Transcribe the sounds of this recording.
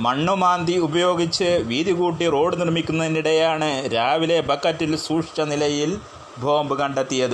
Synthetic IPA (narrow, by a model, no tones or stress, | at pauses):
mɐɳːumaːnd̪iubɐjo̞ːɡit͡ɕːɨʋiːðiɣuːʈːiro̞ːɽɨnirmikʲːunːɐðiniɽejaːɳɨɾaːʋile̞bʱɐkːɐtːilsuːʂt͡ʃɐnilɐjil | bʱoːmbɨkɐɳɖɐt̪ːijɐðɨ